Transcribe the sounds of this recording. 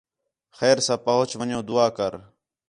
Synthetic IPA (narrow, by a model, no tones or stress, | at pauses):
xɛːɾsãːpəɦʊt͡ʃʰʋəɲõːd̪ʊaːkəɾ